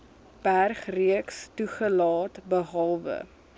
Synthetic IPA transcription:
b̥ærχriəkstuχəlɑːtbəɦɑlˠvə̰

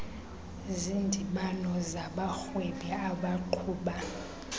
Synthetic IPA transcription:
zindʱiɓanɔzaɓaxweɓiaɓaǃʰuːɓa

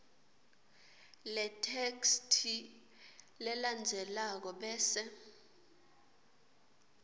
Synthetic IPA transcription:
lɛtʰekstʰi | lɛland͡zʱɛlak̬ɔɓɛːsɛ

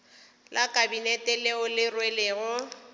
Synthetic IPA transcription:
lʔakʼabinɛtʼɛleʊlɪrwelɪːɣʊ

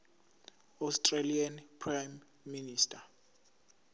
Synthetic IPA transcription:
astʼrelianpʰrajmː | iniːstʰʼa

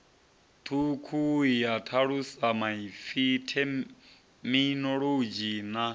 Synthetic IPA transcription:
t̪ʰukʰuijatʰaɺusamaifitʰɛ | minɔɺod͡ʒina

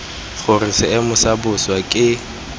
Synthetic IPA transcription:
ɣʊrɪsɪɪmʊsabʊswakʼɪ

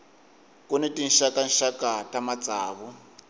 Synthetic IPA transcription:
kunetʼinʃakanʃakatʼamat͡sʼaːβu

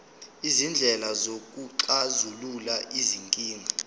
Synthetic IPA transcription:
izind͡ɮʱɛlazok̬ʼuǃazululaʔiziŋkʼiːŋʱa

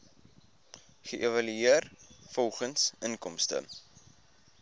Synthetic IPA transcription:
χəʔevɐlyiərfɔlˠχənsənkɔmstə̰

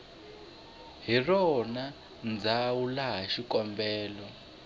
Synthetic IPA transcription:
ɦirɔna | nd͡zawulaɦaʃikɔmbɛːlɔ

